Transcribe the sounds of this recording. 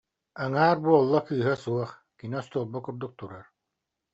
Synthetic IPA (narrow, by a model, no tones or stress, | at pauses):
aŋaːɾbuɔlˠːakɯːɦasuɔχ | kiniɔst̪uːlˠbakuɾd̪uk̚t̪uɾaɾ